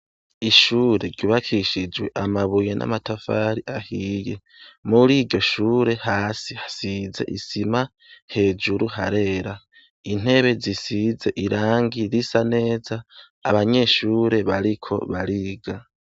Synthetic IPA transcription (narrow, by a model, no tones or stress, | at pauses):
iʃuːɾe̞ɾɟuβakʰiʃid͡ʒwe̞ʔamaβujenʔa̰matafaːɾiʔahiːje | muɾiːɾɟo̞ʃuːɾe̞haːsihḁsize̞̰ʔisima | he̞ːd͡ʒuɾuɦa̰ɾe̞ːɾa | in̥e̞βe̞zisize̞ʔiɾaːŋɡiɾisane̞ːzaː | βaɲe̞ʃuːɾe̞βaɾikʰo̞̰βaɾiɡa